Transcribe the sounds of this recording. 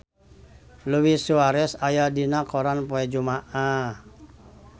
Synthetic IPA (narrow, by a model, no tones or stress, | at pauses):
luwisuaɾɛsajadinakɔɾanpɔɛd͡ʒumaʔa